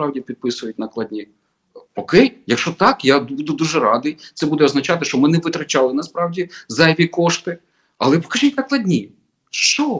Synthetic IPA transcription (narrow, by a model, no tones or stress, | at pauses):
pɾɑwdʲipʲid̪̚pɪsʊjʊt̚ʲnɐklˠɐdʲnʲi | ɔkɛjjɐkʃɔt̪ɑkjab̪bud̪ʊd̪uʒɛɾɑd̪ɨjt̪sɛbud̪ɛɔznɐt͡ʃɑt̪ɪʃt͡ʃɔmɪnɛʋɪt̪ɾɐt͡ʃɑlˠɪnɐspɾɑwdʲizɐjʋʲikɔʃt̪ɪ | ɐlˠɛpɔ̥kɐʒitʲnɐklˠɐdʲnʲi | ʃt͡ʃɔ